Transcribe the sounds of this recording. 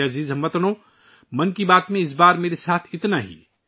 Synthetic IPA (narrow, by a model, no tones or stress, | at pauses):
ɐziːzɦɐ̃mʋɐt̪nõ | mɐnkibaːt̪mẽɪs̬baːɾmeːɾesaːt̪ʰɪt̪naɦḭː